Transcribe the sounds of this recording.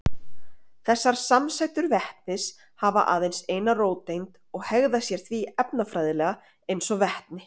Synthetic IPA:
θɛsːaɾ̥samsajt̪ʏɾvɛht̪nɪs | hava̰ʔa̰ːðejnseːjnaroːwt̪ːejnt̪ | ɔɣhɛɣðasjɛɾ̥θviɛpnafɾajðɪlɛːɣa | ejnsɔvɛht̪nɪ

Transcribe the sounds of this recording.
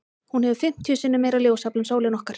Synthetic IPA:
hunhɛvʏfɪm̥t̪ʰjʏsɪnːʏmeːjɾaljoːwsaplʏnsoːwlɪnɔhkaɾ̥

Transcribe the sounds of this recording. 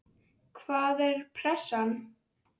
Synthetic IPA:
kʰvaːðɛɾ̥pʰɾɛsan

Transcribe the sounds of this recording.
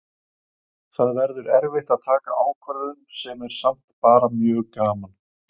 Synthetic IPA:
θaðvɛɾðʏɾɛɾvɪht̪aðt̪ʰaːkaʔaːwkʰvɛɾðʏnsɛmɛɾ̥sam̥t̪paːɾamjœːɣkaːman

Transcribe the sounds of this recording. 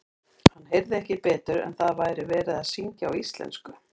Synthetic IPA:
hanːɦejɾðɪɛhcɪpɛːt̪ʏɾɛ̰nθaðvaːjɾɪvɛːɾɪðaðsiɲcaawist̪lɛ̰nskʏ

